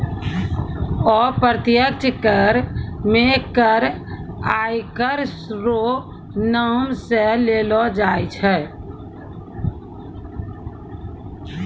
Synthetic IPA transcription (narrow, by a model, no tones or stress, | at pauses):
ɔːɾpəɾət̪jək̚t͡ʃkəɾmẽkəɾaːikəɾsɾo | naːmseleːlɔd͡ʒaːjt͡ʃʰɛ